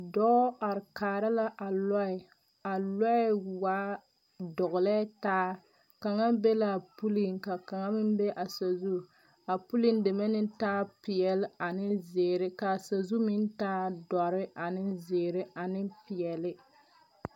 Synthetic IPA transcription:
dɔː˦a˨ɾkaː˨ɾɪ˦la˦ʔa˨lɔ˦ɪ˨ | a˨lɔ˦ɪ˦waː˦ | dɔ˨ɣʊ˨lɛ˦taː˦ | ka˨ŋa˦be˦la˦˨pu˦li˦ŋka˨ka˨ŋa˦mɪ˦n˦be˦ʔa˨sa˨zu˦ | a˨pu˦li˦ndɪ˨mɛ˦nɪ˦taː˦pɪ˨jɛ˨lɪ˦a˨nɪ˦zeː˨ɾɪ˦ka˨sa˨zu˦mɪ˦n˦taː˦dɔ˨ɾɪ˦ʔa˨nɪ˦nzeː˨ɾɪ˦ʔa˨nɪ˦pɪ˨jɛ˨lɪ˦

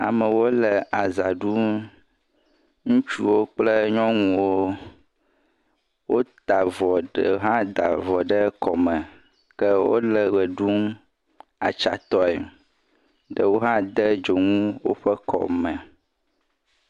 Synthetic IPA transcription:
a̰˨mə˨wo˦lə˨ʔa˨za˨ɖu˦m | ŋũ˦t͡ʃu˦wo˦k͡plə˦ɲɔ̃˦ŋũ˨wo˦ | wo˦t̪a˨vɔ˨ɖə˨ɦã˦d̪a̰˨vɔ˨ɖə˦kɔ˨mə̃˨ | kə˦wo̰˦lə˨ɣə˨ɖu˦m | a̰˨t͡ʃa̰˨t̪ɔ˦ɛ˨ | ɖə˨wo˦ɦã˦d̪ə˦d͡ʒo˨ŋũ˦wo̰˦ɸə˦kʰɔ̰˨mə˨

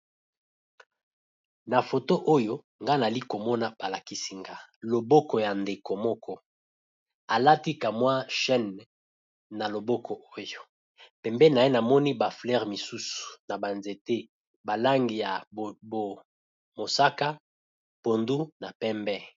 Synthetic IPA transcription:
na˨fo˨to˦ʔo˦jo˦ | ŋɡa˦na˨li˦ko˨mɔ˦na˦ba˨la˨ki˨si˨ŋɡa˦lo˨bɔ˦kɔ˨ja˨nde˨ko˨mɔ˦kʰɔ˦ | a˨la˦ti˦ka˨mwa˦ʃɛ˦nː | a˨lo˨bɔ˦kʰɔ˨o˦jo˨ | pɛ˨mbɛ˦na˨e˦na˨mɔ˦ni˦ba˨flɛ˦ʁmi˨su˦su̥˨na˨ba˨nze˨te˦ | ba˨la˦ŋɡi˨ja˨bo˨ | mo˨sa˦ka˦ | po˨ndu˦na˨pɛ˦mbɛ˦

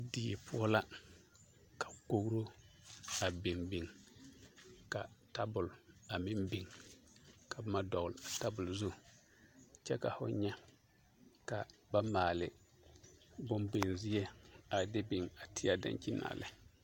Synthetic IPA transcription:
di˨pʰʊ˦ɔ˦la˦ | kḁ˨ko˦ɡɾo˦ | a˨bi˨ŋbɪ˨ŋ | ka˨ta˦bʊ˨la˨mɪ˦mbi˨ŋ | ka˨bma˦dɔ˨ɣʊ˨la˨ta˦bʊ˨lzʊ˦ | t͡ʃɛ˦ka˨fʊ̰˦ɲɛ˦ | ka˨ba˦maː˨lɪ˨ | bʊ˦mbe˨n˨zɪ˦jɛ˦a˨de˦bɪ˨ŋa˨tʰɪ˦a˦da̰˦nt͡ʃi˦na̰ː˨lɪ˦

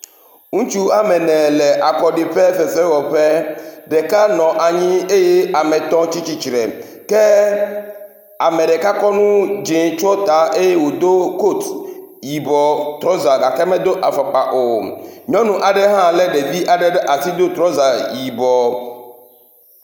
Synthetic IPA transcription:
ŋũ˦t͡ʃu˦a˨mɛ˨nɛ̃˨lɛ˨ʔa˨kɔ˨ɖe˨ɸɛ˦fɛ˨fɛ˦wɔ˨ɸɛ˦ɖɛ˨ka˦nɔ̃˨ʔa˨ɲĩ˦e˦je˦a˨mɛ̃˨t̪ɔ̃˦t͡ʃi˦t͡ɕi˦t͡ʃɾɛ˨ | kɛ˦ | a˨mɛ̃˨ɖɛ˨ka˦kɔ˦nũ˦d͡ʒe˨t͡ʃɔ˦t̪a˨ʔe˦je˦wo˨d̪o˦ko˦˨t̪ji˨bɔ˨t̪ɾɔ˦za˨ɡa˨kɛ˦mɛ̃˦d̪o˦ʔa˨fa˨k͡pa˨ʔo˨ɲɔ̃˦nũ˦ʔa˨ɖɛ˦ɦã˦lɛ˦ɖe˨vi˦ʔa˨ɖɛ˦ɖɛ˦ʔa˨si˦d̪o˦t̪ɾɔ˦za˨ji˨bɔ˨

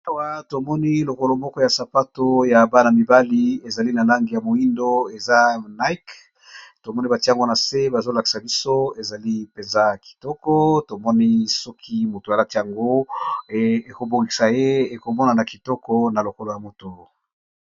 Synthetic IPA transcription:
a˨wa˨to˨mɔ˦ni˦lo˨ko˨lo˨mɔ˦kɔ˦ja˨sa˨pa˦to˦ja˨ba˦na˨mi˨ba˦li˦e˨za˨li˦na˨la˦ŋɡi˨ja˨mo˨i˦ndo˦e˨za˦na˦i˦k | to˨mɔ˦ni˦ba˨ti˦a˨ŋɡo˦na˨se˦ba˨zo˦la˨ki̥˨sa˨bi˦so˦e˨za˨li˦pe˨nza˦˨ki̥˨tɔ˦kɔ˦to˨mɔ˦ni˦sɔ˦kʰi˦mo˨to˨a˨la˦ti˦ja˨ŋɡo˦ | e˨ko˨bo˨ŋɡi˨sa˨je˦e˨ko˨mɔ˦na˨na˨ki˨tɔ˦kɔ˦na˨lo˨ko˦lo˨ja˨mo˨to˨

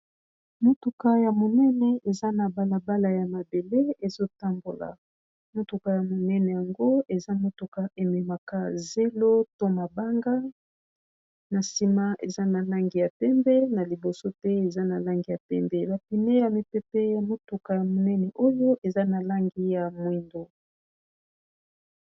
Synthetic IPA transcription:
mo˦tu˨ka˦ja˨mo˨nɛ˦nɛ˨e˨za˦na˨ba˦la˨ba˦la˨ja˨ma˨be˨le˦e˨zo˦ta˦mbo˨la̰˨ | mo˦tu˨ka˨ja˨mo˨nɛ˦nɛ˨ja˨ŋɡo˦e˨za˦mo˦tu˨ka˦ʔe˨mɛ˨ma˨ka˦ze˦lo˦to˦ma˨ba˦ŋɡa˦ | na˨si˦ma˦ʔe˨za˦na˨la˦ŋɡi˨ja˨pɛ˦mbɛ˦na˨li˨bo˨so˦tɛ˦e˨za˦na˨la˦ŋɡi˨ja˨pɛ˦mbɛ˦ba˨pi˨ne˦ja˨mi˨pɛ˦pɛ˦ja˨mo˦tu˨ka˨ja˨mo˨nɛ˦nɛ˨ʔo˦jo˦ʔe˨za˦na˨la˦ŋɡi˦ja˨mwi˨ndo˨

